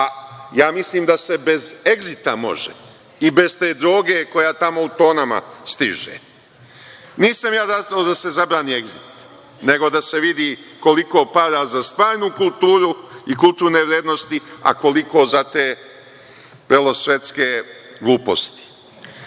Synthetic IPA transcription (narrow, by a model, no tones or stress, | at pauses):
ajaːmisliːmd̪ase̞be̞zeɡzit̪amo̞̰ʒḛ | ibe̞zt̪e̞ːd̪ɾo̞ːɡe̞ko̞jat̪amo̞ut̪o̞ːnama̰st̪ḭʒḛ | niːsamjaːd̪at̪od̪ase̞zabɾaːniːeɡzit̪ | ne̞ɡo̞d̪ase̞ʋid̪iko̞liko̞ːpad̪azast̪ʋaːɾnukulˠt̪uːɾuikulˠt̪uːɾne̞ʋɾjeːd̪nost̪ia̰ko̞liko̞zat̪eː | ʋr̩lˠo̞sje̞t̪ske̞ | ɡlˠuːpo̞̰st̪i̥